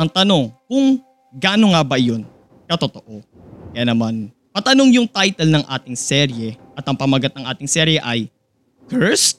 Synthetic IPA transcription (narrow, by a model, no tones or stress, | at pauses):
ɐŋt̪ɐno̞ŋkʊŋ | ɡaːno̞ŋabɐɪjo̞n | kɐt̪o̞t̪o̞ʔo̞ | kɐjanɐman | pɐt̪ɐnoŋjʊŋt̪ajt̪ɛlnɐŋʔa̰ːt̪ɪŋsɛɾjɛʔɐt̪ɐŋpɐmɐɡɐt̪nɐŋʔa̰ːt̪ɪŋsɛːɾjɛʔɐj | kɛɹst̪̚